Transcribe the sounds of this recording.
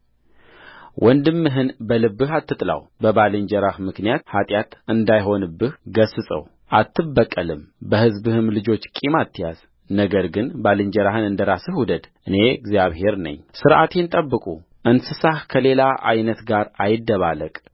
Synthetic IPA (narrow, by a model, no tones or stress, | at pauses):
wʔɔnd̪ɨmːɨɦɨnbəlɨbːɨɦat̪ːɨt̪ʼla̰wbəbalɨɲd͡ʒɛɾahmɨknijat̪hat̪ʼjat̪ɨnd̪ajɦo̞nɨbːɨhɡəsɨsʼə̰w | ʔat̪ʰːɨbːəkʼːəlɨmbəhɨzbɨhɨmlɨd͡ʒo̞t͡ʃːkʼimat̪ʰːjaz̥ | nəɡəɾɡɨnbalɨɲd͡ʒəɾahɨnɨnd̪əɾasɨhud̪əd̪ʔɨne̞ɡzijaβhe̞ɾnə̰ɲːsɨɾʔat̪ʰe̞nt̪ʼəbːɨkʼu | ʔɨnsɨsahkʰəle̞laʔa̰jnət̪ɡaɾajɪd̪ːəβaləkʼ